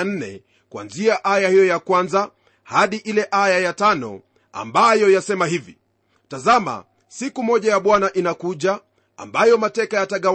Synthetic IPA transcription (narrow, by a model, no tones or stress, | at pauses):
n̩nɛ̰ | kwa̰nziaʔajahijɔjakwanza | haɗiʔilɛʔajajatanɔ̰ | a̰mbajɔjasɛmahivḭ | tazama̰ | sikumɔʄajaɓwanaʔinakuʄa | a̰mbajɔmatɛkajataɠa